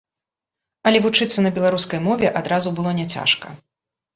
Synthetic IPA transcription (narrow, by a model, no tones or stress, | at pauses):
ɐlʲɛvut͡ʂɨt̪sːɐnɐbʲɛlˠaɾuskɐjmɔvʲɛʔad̪ɾazubɨlˠɔnʲɛt͡sʲa̰ʂkɐ̰